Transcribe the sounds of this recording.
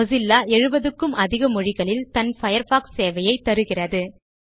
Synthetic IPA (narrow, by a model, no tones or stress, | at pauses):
ɔzɪlːaːʔɛɻɯbɐðɯkːɯmɐðɪɣɐmɔɻɪɣɐɭɪlt̪ɐnfɐjɐɾfaːksːeːʋɐjɐɪt̪ːɐɾɯɣɪrɐðɯ